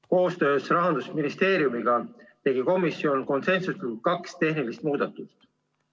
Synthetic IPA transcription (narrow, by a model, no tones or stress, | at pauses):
ko̞ːst̪ø̞ːsrɑɦɑnd̪̥usminist̪e̞ːɾjumiɡ̥ɑt̪e̞ɡiko̞misːio̞nko̞nse̞nsuskɑkst̪e̞hnilist̪̚muːd̪̥ɑt̪ːˑust̪